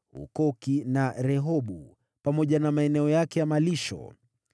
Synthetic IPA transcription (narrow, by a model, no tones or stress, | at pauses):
hṵkɔkinaɾɛɦɔɓu | pamɔʄanamaɛnɛɔjakɛjamaliʃɔ̰